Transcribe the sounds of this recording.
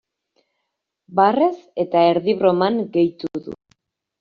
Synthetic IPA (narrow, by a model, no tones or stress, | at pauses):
bare̞se̞t̪aeɾðiβɾo̞maŋɡe̞jt̪uðṵ